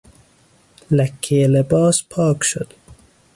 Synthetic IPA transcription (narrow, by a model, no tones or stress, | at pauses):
lækʰːeelebɒːspʰɒːkʃo̰d̪̥